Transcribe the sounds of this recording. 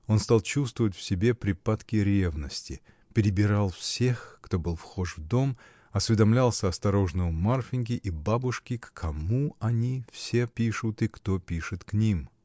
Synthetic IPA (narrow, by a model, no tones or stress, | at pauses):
o̞nst̪ɑlˠt͡ɕust̪vəvətʲfsʲɪbʲe̞pɾʲɪpat̪kʲɪɾʲe̞vnəsʲtʲɪ | pʲɪɾʲɪbʲɪɾalˠfsʲe̞xkt̪o̞bɨlˠfxo̞ʂvd̪o̞m | ɐsvʲɪd̪ɐmlʲalˠsʲəɐst̪ɐɾo̞ʐnəjmarfʲɪnʲɡʲɪʔibabʊʂkʲɪkːʰɐmuɐnʲifsʲe̞pʲiʂʊt̪ɨkt̪opʲiʂɨt̪knʲim